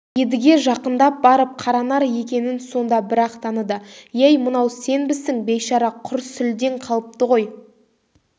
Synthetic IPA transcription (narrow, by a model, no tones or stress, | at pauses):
je̞d̪ɪɡʲe̞ʒɑqənd̪ɑp̚bɑɾəp̚qʰɑɾɑnɑɾje̞kʲe̞nɪnso̞nd̪ɑbɪɾɑqt̪ʰɑnəd̪əjæjmənɑwse̞nbɪsɪŋbejʃɑɾɑqʰʊɾsʏld̪e̞ɴqʰɑlˠəp̚t̪əʁo̞j